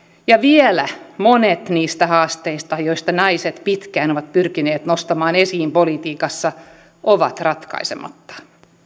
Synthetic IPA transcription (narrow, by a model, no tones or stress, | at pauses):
jɑʋielæmonet̪niːst̪æhɑːst̪eist̪ɑjoist̪ɑnɑiset̪pit̪kæːnoʋɑt̪pyrkineːt̪nost̪ɑmɑːnesiːmpolit̪iːkɑsːɑ | ʔoʋɑ̰t̪rɑt̪kɑ̰isemɑ̰t̪ːɑ̥